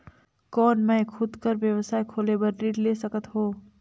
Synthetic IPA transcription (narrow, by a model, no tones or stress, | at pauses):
kɔːnmɛ̃ːkʰʊd̪kəɾʋjɐʋsaːekʰoːlebɐɾɖiːʈleːsɐkət̪ɦoː